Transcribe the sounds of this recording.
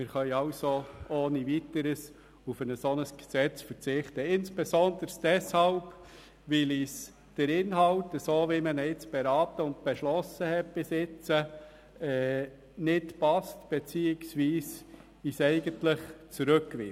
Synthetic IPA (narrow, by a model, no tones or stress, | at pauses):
mɪɾχœjɑʊsooːnivitəɾəs | ufənəsɔnəsɡ̥sɛt͡sfəɾt͡sɪχtəɪnsb̥ɛsɔnd̪əɾsd̥ɛshɑlb | ʋɪlis | d̥əɾɪnɦɑʊtːəsoːʋɪmənəɪt͡sb̥eɾɑːtəʊnt̚b̥ɛʃlɔsəhɛt̚b̥ɪsɪt͡sə | ɛː | nɪtpɑstb̥et͡siːɪksʋiːs | isɛɪɡəntlɪχt͡suɾɵkːʋɪ̰